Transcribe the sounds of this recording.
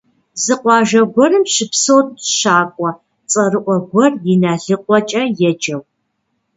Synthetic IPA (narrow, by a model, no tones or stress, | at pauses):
zɨqʷɑːʒɐɡʷɔrɨmɕɪpsowtʃaːkʷʼɔ | t͡sʼɐrɨʔʷɔɡʷɔrjɪnaːɮɨqʷʼɔt͡ʃʼɐjɛd͡ʒɐw